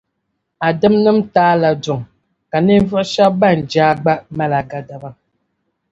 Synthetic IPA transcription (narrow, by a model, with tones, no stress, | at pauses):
a˨də˦mnə˦m̩˦taː˦la˨d͡ʒɔ˨ŋ | ka˨ne˦və˦ʃa˦ba˦˨n̩˨d͡ʒaː˦ɡ͡ba˦ma˦la˨ɡa˦da˨ba˦